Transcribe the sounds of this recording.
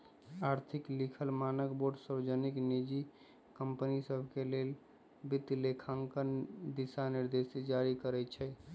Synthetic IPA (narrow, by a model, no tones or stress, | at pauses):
aɾt̪ʰiklikʰəlmanəkboɖsəɾd͡ʒəniknid͡ʒi | kəmpənisəbʱkelel | bit̪lekʰãŋkənd̪isaniɾd̪esed͡ʒaɾikəɾɛt͡ʃʰɛ